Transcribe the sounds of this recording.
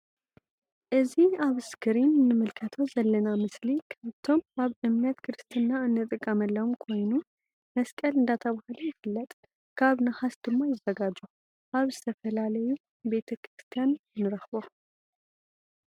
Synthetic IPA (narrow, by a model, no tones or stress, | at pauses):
ʔɨziaβɨskʰɨɾinɨnːɨmɨlkʰət̪ʰozɐlːɐnamɨslikʰaβt̪ʰo̞maβɨmnət̪kʰɨɾɨst̪ʰɨnːaɨnːɨt̪ʼɨkʼːəməlːɐwumkʰo̞jnu | mɐskʼəlɨnd̪at̪ʰəβahlojɪfɨlːət̪ʼ | kʰaβnɨhasd̪ɨmːo̞jɪzːɐɡad͡ʒu | ʔaβzɐt̪ʰɐfəlalɐju | be̞t̪ʰɐkʰɾɨst̪ʰijanɨnːɨɾɐxbo